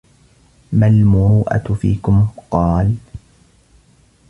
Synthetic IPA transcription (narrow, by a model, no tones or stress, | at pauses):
malmʊɾuːʔa̰fḭːkʊmqɑːl